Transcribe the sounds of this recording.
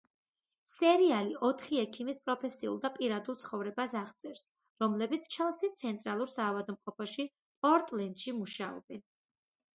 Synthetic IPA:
sɛɾialiʔɔt̪ʰχiɛkʰimispʼɾɔpʰɛsiṵlˠd̪apʼiɾad̪ulˠt̪sʰχɔvɾɛbasaʁt̪sʼɛɾs | ɾɔmlɛbit̪sʰt͡ʃʰɛlˠsist̪sʰɛnt̪ʼɾalˠuɾsaːvad̪mqʼɔpʰɔʃi | pɔɾt̪ʼlɛnd̪̥ʃimuʃaɔ̰bɛn

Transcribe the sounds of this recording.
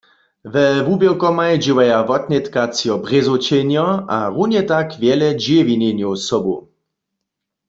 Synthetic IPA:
vɛvubjɛlkɔmajd͡ʒiwajavɔt̪̚nʲɛt̪kat͡sjɔbʁezot͡ʃɛnjɔaʁunjɛt̪akvjɛlɛd͡ʒevinenjowsɔbu

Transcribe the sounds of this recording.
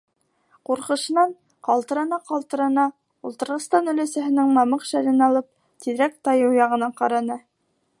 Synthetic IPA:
quɾqɤ̆ʃɤ̆nɑn | qɑlˠt̪ɤ̆ɾɑnɑqɑlˠt̪ɤ̆ɾɑnɑ | ulˠt̪ɤ̆ɾʁɤ̆st̪ɑnɵ̆læsæɦɘ̆nɘŋmɑmɤqʃælɘnɑlˠɤp̚ | t̪ʰiðɾæk̚t̪ɑjɤwjɑʁɤ̆nɑɴqɑɾɑnɤ

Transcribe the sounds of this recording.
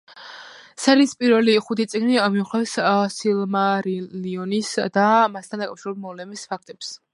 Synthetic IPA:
ɛsaɾispʼiɾvɛliχut̪ʰit̪sʼiɡnimiuχlɛfssilmaɾiliɔnisd̪amast̪ʰand̪akʼafʃiɾɛbbmɔvlɛmispʰak̚ʰt̪ʼɛps

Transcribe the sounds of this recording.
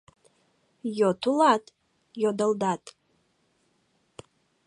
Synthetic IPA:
jotʰulatʼ | jodəldatʼ

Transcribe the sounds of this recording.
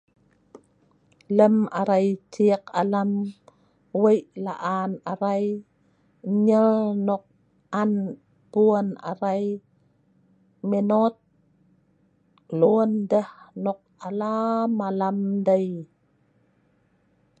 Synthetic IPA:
ləmaɾajtikalam | wəjlaʔanaɾaj | ɲəlnɔk̚ | an | puəna̰ɾaj | menot̪̚ | londəhnɔk̚alamalamdaj

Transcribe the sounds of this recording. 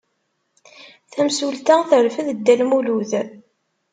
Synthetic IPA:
θæmsult̪æθəɾfəðəd̪ːælmuluθ

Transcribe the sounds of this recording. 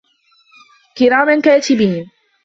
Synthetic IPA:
kɪɾaːmankaːt̪ɪbiːn

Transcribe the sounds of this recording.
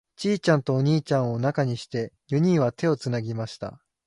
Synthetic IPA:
t͡ɕiːt͡ɕãnt̪o̞ːɲ̟iːt͡ɕãɰ̃o̞nakaɲ̟iɕi̥t̪e̞jɯ̟ɲ̟ĩɰ̃βat̪ʰe̞o̞t͡sɨnaɡʲimaɕi̥t̪a̰

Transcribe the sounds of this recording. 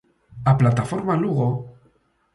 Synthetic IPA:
aplat̪afoɾmaluɣo

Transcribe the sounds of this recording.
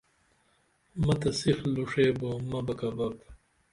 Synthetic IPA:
mɐt̪ɐsixluʂeːbomɐbɐkɐbɐp

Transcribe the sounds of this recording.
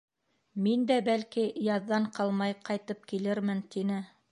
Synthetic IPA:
mind̪æbælkijɑðːɑɴqɑlˠmɑjqɑjt̪ɤp̚kilɘɾmɘnt̪inɘ

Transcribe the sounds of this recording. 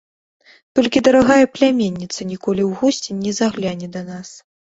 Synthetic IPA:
t̪ɔlʲkʲid̪ɐɾaɣajɐplʲamʲenʲːit̪sɐnʲikɔlʲiwɣusʲt͡sʲinʲːɛzaɣlʲanʲɛd̪ɐnas

